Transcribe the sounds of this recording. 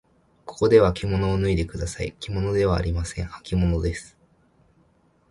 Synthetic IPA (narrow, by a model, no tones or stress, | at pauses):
ko̞̥ko̞d̪e̞β̞akʲimo̞no̞ːnɯ̟id̪e̞kɯ̟d̪asaḭkʲimo̞no̞d̪e̞βa̰ːɾʲimasẽ̞ɰ̃hḁkʲimo̞no̞d̪e̞sɨ̥